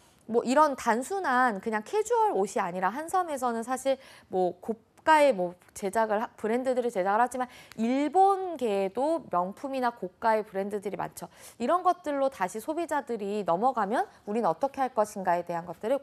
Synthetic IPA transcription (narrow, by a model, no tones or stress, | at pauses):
mwʌʔiɾʌntansʰunankɯɲaŋkʰe̞d͡ʑuʌɭoɕʰiaɲiɾaɦansʰʌme̞s̬ʰʌnɯnsʰaɕʰiɭmwʌko | k͈ae̞mwʌ | t͡ɕe̞d͡ʑaɡɯɭɦapʰɯɾe̞ndɯdɯɾit͡ɕe̞d͡ʑaɡɯɭɦhad͡ʑimaniɭbonɡe̞domjʌŋpʰuminakok̚k͈ae̞pɯɾe̞ndɯdɯɾima̰nt͡ɕʰʌiɾʌnɡʌt̚t͈ɯɭːotaɕʰisʰobid͡ʑadɯɾinʌmʌɡamjʌnuɾinɯnʌt͈ʌkʰe̞ɦaɭk͈ʌɕʰinɡae̞de̞ɦanɡʌt̚t͈ɯɾɯ